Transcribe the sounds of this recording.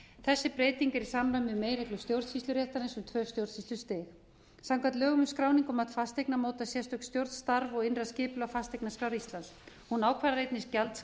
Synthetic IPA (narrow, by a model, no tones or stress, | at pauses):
θɛsːɪpɾeːjt̪iŋkɛɾisamɾamɪʏmeːjɾɛklʏst̪jowɾðsist̪ʏɾjɛht̪aɾensʏmt̪ʰvœːst̪jowɾðsfist̪lʏɾ̥st̪ɪːx | samkʰat̪lœːɣʏmʏskɾaːwniŋkʏmat̪fast̪ejk̚namoːwt̪asjɛst̪œk̪st̪jowɾð̥st̪aɾvɔɣɪnraðscɪːpʏlʏawfast̪ejknaskɾaːwɾist̪lans | hunaːwkʰvaɾaɾejt̪nɪscalt̪s